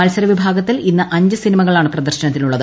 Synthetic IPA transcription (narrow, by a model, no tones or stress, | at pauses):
mɐlsɐɾɐʋibʱaːɡɐt̪ːilinːɐʔɐɲd͡ʑɨsinimɐɣɐɭaːɳɨprɐd̪ɐrɕɐnɐt̪ːiluɭːɐðɨ